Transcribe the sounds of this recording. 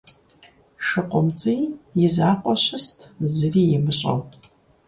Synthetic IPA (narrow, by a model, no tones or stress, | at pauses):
ʂɨqʷʼʊmt͡sʼijizaqʷʼaʃʷɨstʰʼzrijɪmɨɕʷʼo̰wpʼ